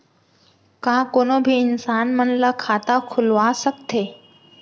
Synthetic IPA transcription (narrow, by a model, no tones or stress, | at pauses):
kakonobʱiːnsanm̤əɳləkʰat̪akʰulʋasəkt̪ʰe